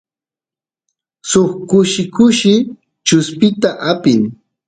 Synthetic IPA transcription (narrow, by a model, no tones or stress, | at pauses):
soχkʊʃɪkʊʃɪ | t͡ʃʊspɪt̪aʔapɪŋ